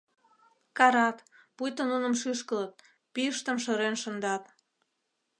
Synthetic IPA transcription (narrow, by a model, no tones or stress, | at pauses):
kɑɾɑt̪ | pujt̪ənunə̆mʃyʃkələt̪̚ | piəʃt̪əmʃə̆ɾenʃə̆nd̪ɑt̪